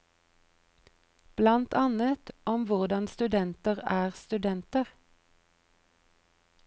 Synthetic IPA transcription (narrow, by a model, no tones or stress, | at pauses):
b̥lɑnt̪ʰɑnət̪ɔmʋʊʁd̪ɑnst̪ʉd̪ɛnt̪əʁæːʁst̪ʉd̪ɛnt̪əʁ